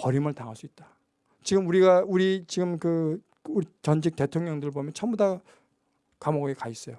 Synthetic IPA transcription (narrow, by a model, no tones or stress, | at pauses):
pʌɾimɯɭtaŋɦas͈uit̚t͈ḁ | t͡ɕiɡɯmuɾiɡauɾit͡ɕiɡɯmkɯ | uɾit͡ɕʌnd͡ʑik̚te̞tʰoŋɲjʌŋdɯɾɭbomjʌnt͡ɕʰʌmbuda | kamoɡɡekais͈ʌjo